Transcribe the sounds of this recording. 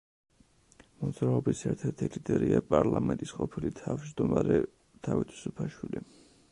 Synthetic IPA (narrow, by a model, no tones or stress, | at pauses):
mɔd̪zɾaɔbisɛɾt̪ʰɛɾt̪ʰilid̪ɛɾiapʼaɾlˠamɛnt̪ʼisqʼɔpʰilit̪ʰavd͡ʒd̪ɔmaɾɛ | t̪ʰavit̪ʰu̥supʰaʃwili